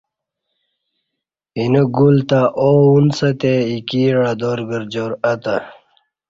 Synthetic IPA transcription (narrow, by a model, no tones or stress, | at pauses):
inəɡult̪aʔounsɐt̪eikiːɾad̪oːɾɡəɾd͡ʑoːɾɐt̪a